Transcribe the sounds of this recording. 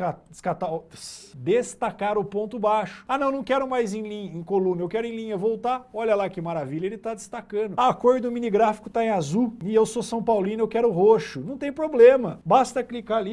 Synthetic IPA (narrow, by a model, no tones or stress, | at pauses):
kaskat̪asd̪est̪akaɾʊpõnt̪ʊbaʃʊ̥anɐ̃w̃nɐ̃w̃kɛɾʊmajzẽj̃lĩɲɐẽj̃kolũnɐewkɛɾʊẽj̃lĩɲɐvowt̪aɔʎɐlakɪmaɾaviʎɐelɪt̪ad̪ɪst̪akɐ̃nd̪ʊakoɾd̪ʊʊminiɡɾafi̥kʊt̪aẽazuɪewsosɐ̃w̃pawlĩnʊewkɛɾʊɦoʃʊnɐ̃w̃t̪ẽj̃pɾoblẽmɐbast̪ɐklikali